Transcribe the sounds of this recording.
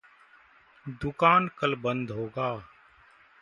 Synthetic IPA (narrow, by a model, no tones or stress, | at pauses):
d̪ʊkaːnkəlbə̃nd̪ʱɦoːɡaː